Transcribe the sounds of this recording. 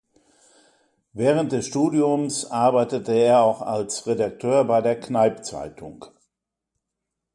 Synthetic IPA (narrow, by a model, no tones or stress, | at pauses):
vɛːʁ̞ənt̚d̥ɛsʃtuːdiʊmsʔaɐbaɪtətəeːɐaʊxa̰lsʁedak̚tʰøːɐbaɪdeːɐknaɪpt͡sa̰ɪtʰʊ̰ŋk